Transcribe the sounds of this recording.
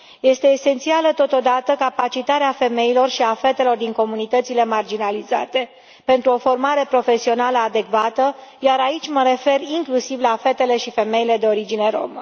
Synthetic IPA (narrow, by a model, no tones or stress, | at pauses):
je̞st̪e̞ːse̞nt̪sialət̪o̞t̪o̞d̪at̪əkapat͡ʃit̪aɾeafe̞me̞ilo̞rʃiafe̞t̪e̞lo̞rd̪iŋko̞munit̪ət̪sile̞mard͡ʒinaliza̰t̪e̞ | pe̞nt̪ɾuo̞fo̞rmaɾe̞pɾo̞fe̞sio̞naləad̪e̞kvat̪əjaɾait͡ʃʲməɾe̞fe̞riŋklusivlafe̞t̪e̞le̞ʃife̞me̞ile̞d̪e̞o̞ɾid͡ʒine̞ɾo̞̰mə